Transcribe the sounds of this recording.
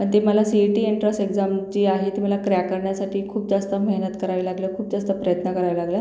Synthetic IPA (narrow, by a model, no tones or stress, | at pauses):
əɳt̪eməlasiʈiːiɳʈɾəsʈeɡd͡zamt͡ɕiːaɦet̪im̤alakɾjakəɾɳjasaʈʰiːkʰuːp̚d͡zast̪əmeɦnət̪kəɾaʋilaɡlekʰuːp̚d͡zast̪əpɾəjət̪nəkəɾajʋlaɡlja